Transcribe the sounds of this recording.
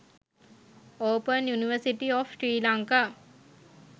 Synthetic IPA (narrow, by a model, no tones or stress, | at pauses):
oːpənjuniʋəsiʈiɔfsʈɾiːlaŋkaː